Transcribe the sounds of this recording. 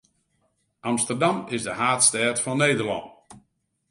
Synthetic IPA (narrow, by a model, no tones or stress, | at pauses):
ʔɑmstərdamɪsdəhaːtstɛːtfɔnːeːdərlɑ̰nt